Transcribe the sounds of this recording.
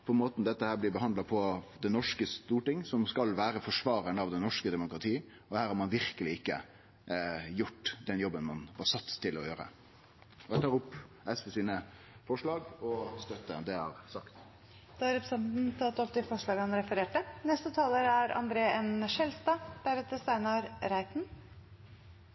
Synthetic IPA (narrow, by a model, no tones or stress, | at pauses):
pʰɔmoːt̪nd̪ɛt̪ːəhæːblɪːbəɦɑnd̪lɑpʰɔd̪ɛnɔʂkəst̪uːʈɪŋːsɔmskɑlʋæːɾəfɔʂʋɑːɾənɑʋd̪ɛnɔʂkəd̪ɛmʊkɾɑt̪ʰiː | ɔhæːɾhɑɾmɑnʋɪɾkəlɪɪkːə̰ | jʊʈːd̪ɛnjɔbːənmɑnhɑsɑt̪ːt̪ʰːɪlɔjøːɾə̰ | ɔæt̪ɑːɾʊpːʔɛsfɛsiːnə | fɔʂɭɑːɡɔst̪œt̪ːəd̪ɛhɑ̰ɾsɑkt̪ | d̪̥ɑːɑɾɛpɾəsɛnt̪n̩t̪ʰɑt̪ːɔp̚d̪ɪfɔʂɭɑːɡəɑnɾɛfəɾeːʈənɛst̪ət̪ʰɑːləɾæɾɑ̰nd̪ɾeːɛnʃɛlst̪ɑb̥æɾət̪d̪əsæɪnɑɾɾæɪt̪n